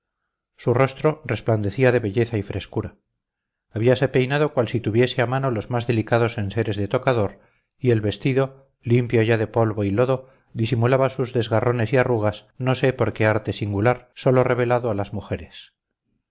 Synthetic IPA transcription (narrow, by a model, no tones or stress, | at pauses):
suro̞st̪ɾo̞re̞spland̪e̞θiaðe̞βe̞ʎe̞θaifɾe̞skuɾaː | βiase̞pe̞jnaðo̞kwalsit̪uβ̞je̞se̞amano̞lo̞zmazðe̞likaðo̞se̞nse̞ɾe̞zðe̞t̪o̞kaðo̞ɾ | ie̞lβe̞st̪iðo̞ | limpjoʝaðe̞po̞lβoilo̞ðo̞ | ðisimulaβasuzðe̞zɣarʔo̞ne̞siaruɣ̞asno̞se̞po̞ɾke̞aɾt̪e̞siŋɡulaɾso̞lo̞re̞β̞e̞laðoalazmuxe̞ɾe̞s